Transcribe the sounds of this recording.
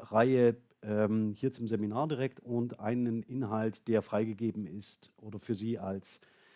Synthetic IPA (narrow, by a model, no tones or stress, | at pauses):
ʁaɪə | ʔɛmhiːɐt͡sʊmzeminaːɐdiʁɛk̚tʊntʔa̰ɪnənʔɪnɦaltd̥eːɐfʁ̥aɪɡəɡeːbm̩ɪstʔoːdɐfyːɐziːals